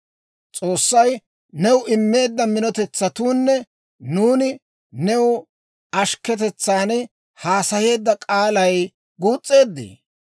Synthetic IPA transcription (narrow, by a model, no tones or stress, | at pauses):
t͡sʼo̞ːsːɐj | nɛwʊʔɪmːe̞ːd̪ːɐmɪnɔt̪ɛt͡sːɐt̪uːnːɛ | nuːnɪ | nɛwʊ | ɐʃkɛt̪̬ɛt͡sːaːnɛ | haːsɐje̞ːd̪ːɐkʼaːlɐj | ɡuːt͡sʼːe̞ːd̪ːḭː